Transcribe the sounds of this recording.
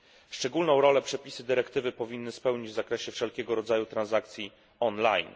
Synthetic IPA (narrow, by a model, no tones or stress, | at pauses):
fʂt͡ʂɛɡulnɔ̃w̃ɾɔlɛpʂɛpʲisɘd̪ɘɾɛkt̪ɘvɘpɔvʲinːɘspɛwɲid͡ʑvzakɾɛɕɛfʂɛlkʲɛɡɔɾɔd̪zajut̪ɾãnzakt̪sʲji | ɔnla̰jn